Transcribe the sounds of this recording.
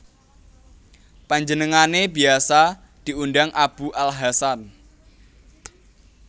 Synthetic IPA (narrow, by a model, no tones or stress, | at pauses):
paɲd͡ʒənəŋanebi̤asa | d̪̥i̤unɖaŋʔab̥uʔalɦasan